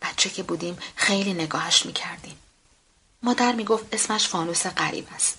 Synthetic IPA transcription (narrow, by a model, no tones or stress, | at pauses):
b̥æt̪t͡ʃʰecʰe̞buːd̪imxe̞jliːne̞ɡɒːhæʃmiːcʰæɾd̪im | mɒːd̪æɾmiːɡo̞ft̪e̞smæʃfɒːnuːseɢæɾḭːbæst̪